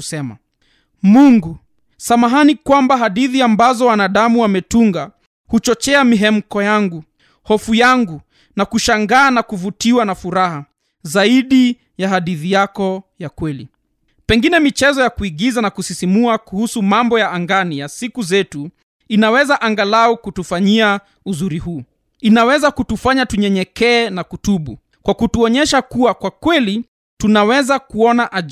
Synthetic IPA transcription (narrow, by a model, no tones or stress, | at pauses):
usɛma̰ | muŋɡu | samaɦanikwambaɦaɗiθiambazɔwanaɗamuwamɛtuŋɡa | hut͡ʃɔt͡ʃɛamiɦɛm̩kɔjaŋɡu | hɔfujaŋɡu | nakuʃaŋɡaːnakuvutiwanafuɾaha | zaiɗi | jaɦaɗiθijakɔjakwɛlḭ | pɛŋɡinɛmit͡ʃɛzɔjakuiɠizanakusisimuakuhusumambɔjaːŋɡanijasikuzɛtu | inawɛzaʔaŋɡalaukutufaɲia | uzuɾiɦuː | inawɛzakutufaɲatuɲɛɲɛkɛːnakutuɓṵ | kwakutuɔɲɛʃakuwakwakwɛli | tunawɛzakuɔnaʔa